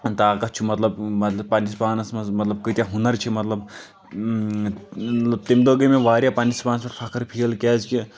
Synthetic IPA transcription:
t̪aːkɐt͡ʃʰumɐt̪lɐbɐpanispaːnɐsmɐsmɐt̪lɐb̚kət̪jaɦunɐɾt͡ʃʰimɐt̪lɐb | t̪imd̪oɡəmẽʋaːɾjapaːnispaːnsɐɾpʰɐkʰɐɾpʰiːlkɛːzki

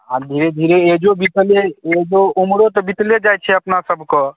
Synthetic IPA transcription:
ad̪ʱiɾed̪ʱiɾeed͡ʒobit̪leeɦd͡ʒoumɽot̪ɔbit̪led͡ʒajt͡ʃʰɛəpnasəbʱkɔ

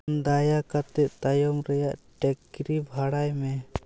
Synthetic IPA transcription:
nd̪ajakat̪ɛt̪̚t̪ajɔmɾɛjaʔʈɛkɾibʱaɽajmɛ

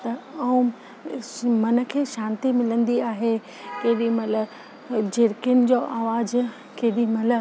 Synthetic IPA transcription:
t̪ɐɐũ | mɐnə̆kʰeːʃãːnt̪imɪlə̃nd̪iaːɦe | kɐɦɪɗimɐlə | d͡ʑeɾkɪʊnɪ̆d͡ʑoːʔaːʋaːd͡ʑ | kɐɦɪɗimɐlə

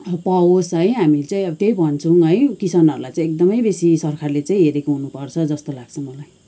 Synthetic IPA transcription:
pʌosʌjɦamit͡saĩʌbʌt̪ejbʱʌnt͡sʰuɦʌjkisanʌɾulajt͡saĩek̚d̪ʌmʌjbesisʌrkʰarlet͡saĩɦeɾekoɦunupʌrt͡sʰʌd͡zʌst̪olaɡ̚t͡sʰʌmʌlaj

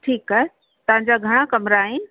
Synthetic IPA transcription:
ʈʰiːkːaːɦe | t̪ɐɦãɲd͡ʑaɡʱɐɽ̃akɐmɾaːɦenɪ̆

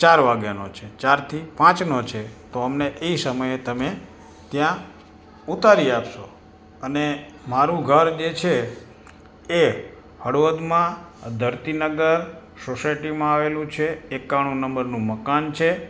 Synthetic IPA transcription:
t͡ʃaɾʋaɡjanot͡ʃʰet͡ʃaɾt̪ʰipãt͡ʃnot͡ʃʰet̪oəmneʔeisəməjet̪əme | t̪jã | ut̪aɾiapʃo | əne | maɾũɡʱəɾd͡ʒet͡ʃʰe | e | həɽʋəd̪mãd̪ʱəɾt̪inəɡəɾ | sosajʈimãaʋelũt͡ʃʰeːkaɽ̃ũnəmbəɾnũməkant͡ʃʰe

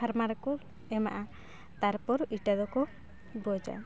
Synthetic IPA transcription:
aɾmaɾɛkɔ | ɛma̰ʔa | t̪aɾpɔɾiʈad̪ɔkɔ | bɔd͡ʒa̰

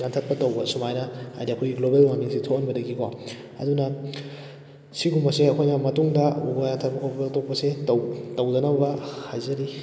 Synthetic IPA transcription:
jantʰɐt̚pɐtɐwbɐsumajnɐha̰jdiɐkʰojɡiɡlobelwamiŋsitʰokɐnbɐdɐɡikʰo | ɐ̰dunɐ | siɡumbɐseɐkʰojnɐmɐtuŋdɐubɐjaŋtʰɐt̚pɐkʰotok̚pɐsetɐwtɐwdɐnɐbɐbɐhajzɐɾi

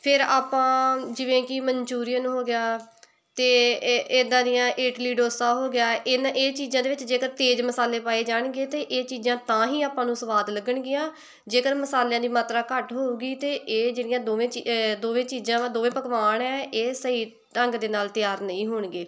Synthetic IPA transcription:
pʰɪɾaːpãːd͡ʒɪʋẽːkɪməɲt͡ʃuːɾijãːnũːɦoːɡɪjaː | t̪eːeːd̪ãːd̪ɪjãːʔeːʈliːɖoːsãːɦoːɡɪjaːʔɪnaʔeːt͡ʃiːzãːd̪eːʋɪt͡ʃd͡ʒeːkəɾt̪eːd͡ʒməsaːleːpaːeːd͡ʒaːɳɡeːt̪eːʔeːt͡ʃiːzãːt̪ãːɦĩːaːpãːnũːsəʋaːd̪ləɡəɳɡɪjãː | d͡ʒeːkəɾməsaːljãːd̪iːmaːt̪ɾaːkəʈɦoːuːɡiːt̪eːʔeːd͡ʒɪɽɪjãːd̪oːʋẽːt͡ʃd̪oːʋẽːt͡ʃiːzãːd̪oːʋẽːpəkʋaːɳɛːeːsəiː | ʈəŋɡd̪eːnaːlt̪ɪjaːɾnəĩːɦoːɳɡeː

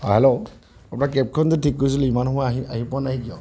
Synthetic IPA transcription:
hɔjɦɛlo | apnakɛp̚kʰɔntʊtʰikːojs̬ilimanhʊwaaɦipʊanaɦɛkijɔ̰

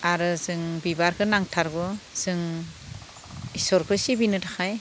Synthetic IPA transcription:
aɾɯzɯŋbibaɾkʰɯnaŋtʰaɾɡɔz̥ɯŋ | isɔɾkʰɯsibinɯdaxʰaj

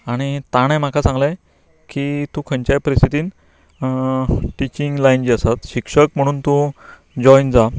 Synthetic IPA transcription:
aɽ̃it̪aɽ̃ẽm̤akʰasãŋɡle | kit̪ũkʰəɲt͡ɕapəɾist̪ʰit̪iːn | ʈit͡ɕiŋɡlajnd͡ʑiasat̪ɕikʂəkm̤əɽ̃uːnt̪ũ | d͡ʑɔind͡za

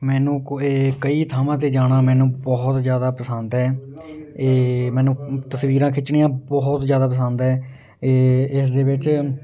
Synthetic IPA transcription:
mɛːnũːeːkəiːt̪ʰaːmãːt̪̬eːd͡ʒaːɽãːmɛ̃ːnũːbɔɦt̪zjaːd̪aːpəsənd̪ɦɛː | eːmɛːnũːt̪əsʋiːɾãːkʰɪt͡ʃɳiːjãːbɔːt̪zjaːd̪aːp̬əs̬ənd̪ɦɛː | ɪsd̪eːbɪt͡ʃ

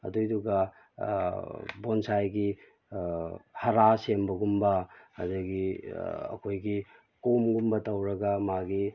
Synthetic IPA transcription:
ɐ̰dujduɡɐ | bonsajɡi | hɐɾasembɐɡumbɐhɐdɐɡiɐ̰kʰojɡi | komɡumbɐtɐwɾɐɡɐmaɡi

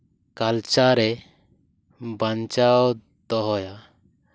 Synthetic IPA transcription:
kalt͡ʃaɾɛ | baɲt͡ʃaw | d̪ɔɦɔja

